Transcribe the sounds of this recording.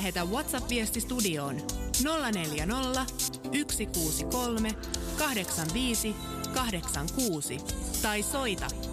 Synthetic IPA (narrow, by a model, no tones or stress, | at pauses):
ɦe̞t̪æʋwɑt̪sɑpʋiest̪ist̪udio̞ːnno̞lːɑne̞ljæno̞lːɑyksikuːsiko̞lme̞ | kɑhde̞ksɑnʋiːsi | kɑɦde̞ksɑŋkuːsit̪ɑjso̞jt̪ɑ̰